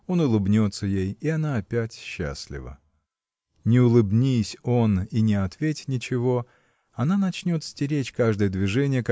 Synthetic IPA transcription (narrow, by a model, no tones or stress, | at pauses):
o̞nʊlˠɨbnʲo̞t̪səjejiɐnaːpʲætʲɕːa̰sʲlʲɪ̰və̰ | nʲɪʊlˠɨbnʲisʲo̞ninʲɪɐt̪vʲetʲnʲɪt͡ɕɪvo̞ | ɐnanɐt͡ɕnʲo̞t̪sʲtʲɪɾʲet͡ɕʲkaʐd̪əjəd̪vʲɪʐɛnʲɪjək